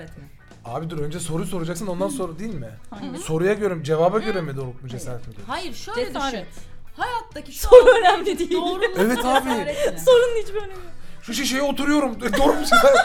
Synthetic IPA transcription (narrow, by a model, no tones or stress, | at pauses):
ɛt̪ | a̰ːbid̪uɾø̞nd͡ʒɛso̞ɾujso̞ɾud͡ʒaksɯno̞nd̪ansoɾad̪eijilʲmɪso̞ɾujaɟøɾimd͡ʒe̞vaːbaɟø̞ɾemed̪oɾukmud͡ʒesaːɾet̪ʰimd̪eajiɾʃeɛhajat̪ːa | so̞ɾuønæmlid̪ijɾɛvɛhaːbiːso̞ɾunhit͡ʃbiønemiʃuʃ̬ejʃ̬ejɛo̞t̪ʰuɾujo̞ɾumd̪oɾumsea